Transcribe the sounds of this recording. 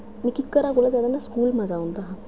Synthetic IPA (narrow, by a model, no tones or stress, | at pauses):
miːkikːəɾakoləd͡zad̪anːaskuːlmad͡zaunt̪aɦã